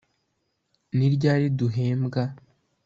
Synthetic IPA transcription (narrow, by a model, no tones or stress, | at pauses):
niɾɟaːɾiduɦeːmbɡa